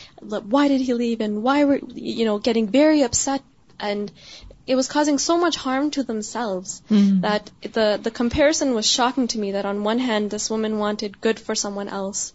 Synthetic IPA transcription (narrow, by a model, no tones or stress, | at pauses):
lakwaɪɾɨd̚ilivɨ̃nwaɪwəjɨnoʊɡɛɾɪ̃ŋvɛɹiʌpsɛɾ | ʔɨ̃nɨt̚wʌz̥kʰɔzɪ̃ŋsoʊmʌt͡ʃhɑɹmtʰɨðə̃msɛlˠvz̥ðət̪̚ðɨðɨkʰə̃mpʰɛɹɨsɨ̃nwʌz̥ʃɑkɪ̃ŋtʰɨmiðɨɾn̩wʌ̃nɦæ̃nðɪswʊmɨ̃nwɑ̃ntɨd̚ɡʊd̥fə˞sʌ̃mwʌ̃nʔɛ̰lˠs